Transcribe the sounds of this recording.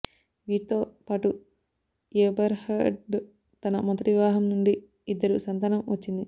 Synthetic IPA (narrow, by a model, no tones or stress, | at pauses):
ʋiːʈit̪o̞ːpaːʈu | jeːbɐɾhɐɖ | t̪ɐnɐmɐnt̪ɐʈiʋaːɦɐmnuɳɖiː | d̪ːɐɾusɐnt̪ɐnɐmʋɐt͡ʃːind̪i